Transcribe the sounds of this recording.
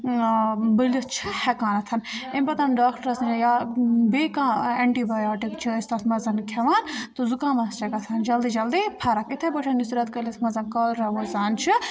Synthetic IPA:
bəlɐst͡ʃʰihɛkaːnɐt̪ʰɐnempɐt̪ɐnɖaːkʈɐɾɐsnd͡ʒajabeːkaːeɳʈiːbajaːʈikt͡ʃʰiist̪ɐt̪ʰmɐzɐnkʰɐʋaːnt̪uzukãːmɐst͡ʃɐkɐt̪ʰɐnd͡ʒɐld̪id͡ʒɐld̪ipʰɐɾakit̪ʰebəʈʰɐnisɾɐt̪kɐlit̪ʰmɐzɐnkɐlɾɐʋɐzaːnt͡ʃʰi

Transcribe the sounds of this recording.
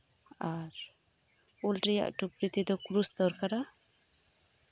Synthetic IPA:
aɾ | ulʈɾija̰ʔʈupɾit̪id̪ɔkɾust̪ɔɾkaɾa

